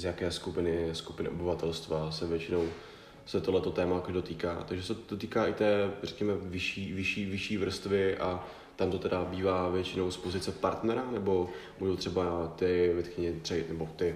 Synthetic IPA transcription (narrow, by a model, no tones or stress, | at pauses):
zjakɛːskupɪnɪskupɪnɪʔobɪvat̪ɛlst̪vasɛvjɛt͡ʃɪno̞w | sɛt̪oɦlɛt̪o̞t̪ɛːmaakoʒdo̞t̪iːka̰ːt̪aɡʒɛsɛdot̪iːkaːʔɪt̪ɛːrɛkɲɛmɛvɪʃiːvɪʃiːvɪʃiːvr̩st̪vɪʔa | t̪amt̪o̞t̪ɛdabiːvaːvjɛt͡ʃɪnowspo̞zɪt͡sɛpaɾt̪nɛɾanɛbo̞ | muʒowt̪r̥ɛbat̪ɪvɛt̪xɲɛɲɛt̪r̥ɪnɛbot̪ɪ